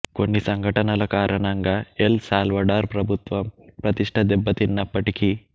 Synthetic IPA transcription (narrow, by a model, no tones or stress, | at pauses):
konːisɐŋɡʱɐʈɐnɐlɐkaːɾʔɐɳɐŋɡɐelsaːlʋɐɖaːɾpɾɐbʱut̪ʋɐmpɾɐt̪iʂʈʰɐd̪ɛbːɐt̪inːɐpːɐʈiki